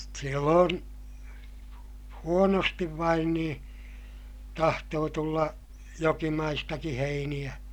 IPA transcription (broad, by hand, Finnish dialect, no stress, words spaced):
silːoːn huonostiʋ ʋɑin nĩː tɑhtoː tulːɑ jokimɑistɑki heinij̆æ